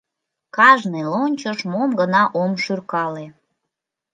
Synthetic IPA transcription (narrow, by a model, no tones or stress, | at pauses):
kɑʒnɨlonʲt͡ɕəʃmomɡənɑʔomʃyrkɑle